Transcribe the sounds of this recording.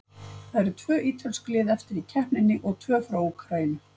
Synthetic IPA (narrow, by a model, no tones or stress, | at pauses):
θaðɛɾt̪ʰvœːʔiːt̪ʰalsklɪːðɛft̪ɪɾicʰɛhpnɪnːɪʔɔɣt̪ʰvœːfɾaːwukʰɾajɪnʏ